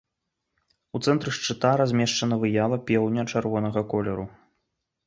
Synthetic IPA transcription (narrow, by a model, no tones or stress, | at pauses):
ut̪sɛnt̪ɾɨʂt͡ʂɨt̪aɾazʲmʲɛʂt͡ʂɐnɐvɨjavɐpʲɛwnʲɐt͡ʂarvɔnɐɣɐkɔlʲɛɾu